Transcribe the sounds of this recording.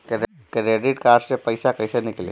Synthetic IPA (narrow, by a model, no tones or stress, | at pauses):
k | kɾeːɖɪʈkaːɾssepɐɪsakɐɪsenɪklḛ